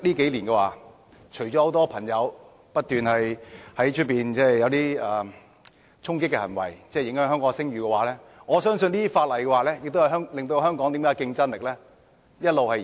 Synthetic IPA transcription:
liː˥ke˨˥jliː˨˩nkɛ˧wa̰ː˨ | t͡ʃʰɵ˨˩ɥt͡ʃɔ˨˥ho˨˥wt̪ɔː˥pʰɐ˨˩ŋjɐ˨˧w | pɐ˥t̚t̪yː˨nhɐ˨jhɐ˨˥jt͡ʃʰt̚piː˨nt͡sɛː˥jɐ˨˧wt̪iː˥ɐ˨˩ | t͡ʃʰʊ˥ŋkɪ˥kːɛ˧hɐ˨˩nwɐ̰˨˩jt͡sɛː˥˩jɪ˧˥ŋhœː˨˥ŋɦœː˥ŋkɔː˨˧˥ŋsɪ˥ŋɥyː˨kɛ˧waː˨˩lɛː˥ | ŋɔː˨˧sœː˥ŋsɵ˧nliː˥faː˧t̚lɐ˨˩jkɛ˧waː˨˩lɛː˥jɪ˨k̚t̪o˥whhœː˥ŋlɪ˨ŋt̪̬o˧ɦœː˥ŋkɔː˨˥ŋt̪iː˨˥mkaː˧˥kɪ˧ŋt͡sɐ˥nlɪ˨k̚lɛː˥ | jɐ˥t̚lo˨whɐ˨j

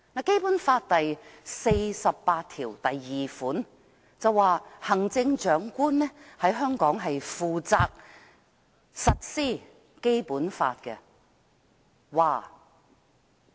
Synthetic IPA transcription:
na˧ke˥jpuː˨˥nfaː˧t̚t̪ɐ˨jse˧jsɐ˨pːaː˧t̚t̪ʰiː˨˩wt̪ɐ˨jːiː˨˩fuː˨˥n | t͡sɐ˨˧wːaː˨hɐ˨˩ŋt͡sɪ˧ŋt͡ʃœː˨˥ŋkʷuː˥nnɛː˥hɐ˨˥jɦœː˥ŋkɔː˨˥ŋɦɐ˨jfuː˨t͡saː˧k̚ | sɐ˨t̚siː˥˩ | ke˥jpuː˨˥nfa̰ː˧t̚kɛ̰˧ | waː˨˩

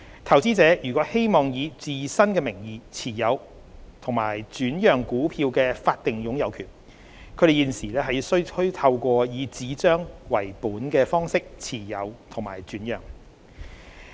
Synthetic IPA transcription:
t̪ʰɐ˨˩wt͡siː˥t͡sɛː˨˥jyː˨˩kʷɔː˨˥he˥jmɔː˨ŋjiː˨˧t͡siː˨sɐ˥nkɛː˧mɪ˨˩ŋjiː˨˧t͡sʰiː˨˩jɐ˨˧w | t̪ʰʊ˨˩ŋma̰ː˨˩jt͡syː˨˥njœː˨˩ŋkuː˨˥pʰiː˧wkɛː˧faː˧t̚t̪ɪ˨ŋjʊ˨˥ŋjɐ˨˧wkʰyː˨˩n | kʰɵ˨˧˥ɾe˨jiː˨˧nsiː˨˩lɛː˥ɦɐ˨jsɵ˥ɥkʰɵ˥ɥt̪ʰɐ˧wkʷɔː˧jiː˨˧t͡siː˨˥t͡ʃœː˥ŋwɐ˨˩jpuː˨˥nkɛː˧fɔː˥ŋsɪ˥k̚t͡sʰiː˨˩jɐ̰˨˧wt̪ʰʊ˨˩ŋmaː˨˩jt͡ʃyː˨˥njœː˨˩ŋ

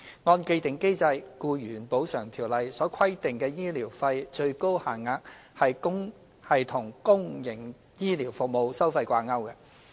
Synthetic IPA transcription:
ŋɔː˧nke˧t̪ɪ˨˩ŋke˥jt͡sɐ˧jkuː˧jyː˨˩npo˨˥wsœː˨˩ŋt̪ʰiː˨˩wlɐ˨jsɔː˨˥kʰɐ˥jt̪ɪ˨ŋkɛː˧jiː˥liː˨˩wfɐ˧jt͡ʃɵ˧ɥko˥whaː˨˩nŋaː˧k̚hɐ˨jkʊ˥ŋ | hɐ˨jt̪ʰʊ˨˩ŋkʊ˥ŋjɪ˨˩ŋ | jiː˥liː˨˩wfʊ˨k̚mo˨˧wsɐ˥wfɐ˧jkʷaː˧ŋɐ˥wkɛ˧

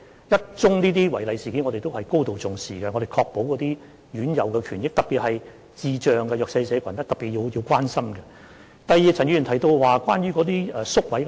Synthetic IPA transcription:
jɐ˥t̚t͡ʃʊ˥ŋniː˥t̪iː˥wɐ˨˩jlɐ˨jsiː˨kiː˨˥ŋɔ˨˧ɾe˨jt̪o˥whɐ˨jko˥wt̪o˨wt͡sʊ˨ŋsiː˨kɛ˧ŋɔː˨˧ɾe˨˩jkʰɔː˧k̚po˨˥wkɔː˨˧t̪iː˥ | jyː˨˥njɐ˨wkɛ˧kʰyː˨˩njɪ˥k̚t̪ɐ˨k̚piː˨t̚hɐ˨j | t͡siː˨t͡ʃœː˨ŋɡɛ˧jœː˨ksɐ˧jsɛː˨˧˥kʷʰɐ˨˩nt̪ɐ˥t̪ɐ˨˩piː˨t̚jiː˧jiː˧wkʷwaː˥nsɐ˥mɡɛ˧ | t̪ɐ˨jːiː˨t͡sʰɐ˨˩ny˧˨˩t̪ʰɐ˨˩jt̪o˧wwaː˨kwaː˥nɥyː˥kɔː˨˥t̪iː˥ɛː˧sʊ˥k̚wɐ˨˥j

